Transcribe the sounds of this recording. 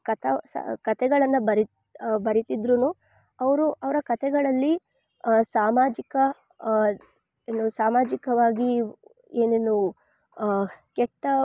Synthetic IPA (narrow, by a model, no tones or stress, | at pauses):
kɐt̪ʰɐskɐt̪ʰɛɡɐɭɐnːɐbɐɾi | bɐɾit̪id̪ɾunuː | ɐʋɐɾuʔɐʋɐɾɐkɐt̪ʰɛɡɐɭɐlːi | saːmaːd͡ʒikɐ | enusaːmaːd͡ʒikɐʋaːɡi | eːneːnu | kɛʈːɐ